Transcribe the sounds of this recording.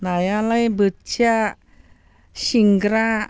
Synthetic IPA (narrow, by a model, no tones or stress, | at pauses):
najalajbət͡ʃa | ʃiŋɡɾa